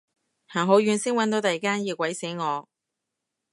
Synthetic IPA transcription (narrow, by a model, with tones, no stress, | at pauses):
haː˨˩ŋɦo˨˥wjyː˨˧˥nsɪ˥ŋwɐ˨˥nt̪̬o˨˥wt̪ɐ˨jkaː˥njiː˨˧wkʷɐ˨˥jse˨˥jŋɔː˨˧